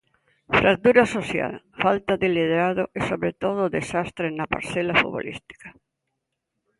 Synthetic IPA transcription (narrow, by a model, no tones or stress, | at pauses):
fɾak̚t̪uɾasoθja̰l | falt̪aðɪlið̞eɾaðoʔesoβɾet̪oð̞ʊðesast̪ɾenapa̰ɾθelafṵβo̰lḭst̪i̥kḁ